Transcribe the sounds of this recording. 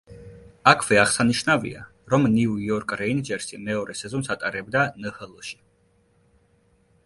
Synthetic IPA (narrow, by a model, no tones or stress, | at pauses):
akʰvɛaʁsaniʃnavḭa̰ | ɾɔmniujɔɾkʼɾɛind͡ʒɛɾsimɛɔɾɛsɛzɔnsat̪ʼaɾɛbd̪anəhɛlˠɔʃi̥